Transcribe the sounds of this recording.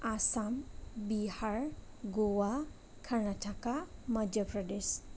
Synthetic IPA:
asambihaɹ | ɡowa | kʰanatʰakamʌdəpɹədes

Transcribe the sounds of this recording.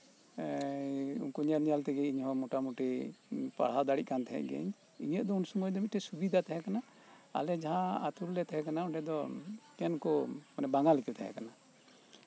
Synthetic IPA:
ṵnkɔɲəɾnijalt̪ɛɡɛiɲhɔ̃muʈamuʈipa̰ɽ̤ɦawd̪aɽiʔ̚kant̪ʰɛɦɛ̰ʔɡɛ̰ɲ | ḭɲəʔ̚d̪ɔunsumɔjd̪ɔmit̪̚ʈɛsubid̪ʱat̪aɦɛkana̰ː | lɛd͡ʒaɦãa̰t̪uɾlːɛt̪aɦɛkanauɖɛd̪ɔkɛnkɔmanɛbaŋalikɛt̪ʰaɦɛ̰kana

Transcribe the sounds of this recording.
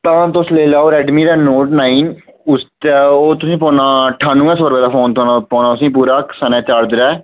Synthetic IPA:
t̪ãːt̪osleːlaːoːɾɛːɖmiːd̪aːnoːʈnaːiːn | ʊst̪ːoːt̪ʊsĩːpɔːnãːʈʰaːnũːɛ̃ːsəɾbɛːd̪aːpʰoːnt̪ʰoːnaːpɔ̃ːnaːʊsĩːpuːɾaːksənɛ̃ːt͡ʃaːɽd̪ɪɾɛː

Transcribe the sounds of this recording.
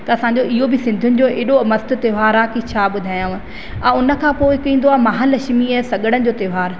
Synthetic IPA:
t̪ɐɐsãɲd͡ʑoɪɦobɪsɪ̃nd̪ʱʊnɪ̆d͡ʑoːʔeːɗomɐst̪ʊ̆t̪eʋaːɾaːkit͡ɕʰaːɓʊd̪ʱaːjã | ãʊnə̆kʰãːpoːɪkĩːn̆d̪oaːmɐɦãlɐʃmiɐsɐɠəɽ̃ənɪ̆d͡ʑoːt̪eːʋaːɾ

